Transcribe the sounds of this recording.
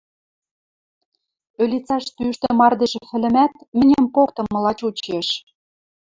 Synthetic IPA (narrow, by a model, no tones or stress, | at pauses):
ølʲit͡sɑʃt̪yʃt̪ĕmɑrd̪eʒefɘ̆lɘ̆mæt̪̚mɘ̆nʲĕmpokt̪ɤ̆mːɤ̆lɑt͡ɕut͡ɕeʃ